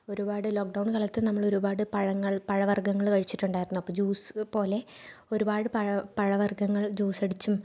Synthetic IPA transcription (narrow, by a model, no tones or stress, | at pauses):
o̞ɾubaːɽɨlo̞ːk̚ɖɐwnkɐɭɐt̪ːɨnɐmːɐɭo̞ɾubaːɽɨpɐɻɐŋːɐɭpɐɻɐʋɐrɡɐŋːɐɭkɐɻit͡ɕːiʈːuɳɖaːjiɾiunːuɐpːoːd͡ʑuːspo̞ːle̞ | o̞ɾubaːɽɨpɐpɐɻɐʋɐrɡɐŋːɐɭd͡ʑuːsɐɽit͡ɕːum